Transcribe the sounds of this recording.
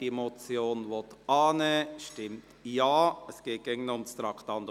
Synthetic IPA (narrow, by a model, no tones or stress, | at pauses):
imot͡sjoːnʋɔt̪ɑːnəʃtɪmtjɑːɛsɡ̥eːt̚ɡ̥eɡənʊmst̪ɾɑkt̪ɑnd̪